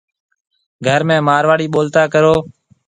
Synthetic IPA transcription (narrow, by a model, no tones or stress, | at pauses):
ɡʱəɾmẽːmaːɾʋaːɽiːɓoːlt̪aːkəɾoː